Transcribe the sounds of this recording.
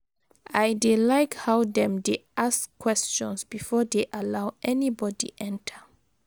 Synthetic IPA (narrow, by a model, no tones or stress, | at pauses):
ajdelajkhawðɛ̃mdeʔaskʰːwɛst͡ʃɔ̃nsbifɔdeʔalawʔɛnibɔdḭʔɛ̃ntʰə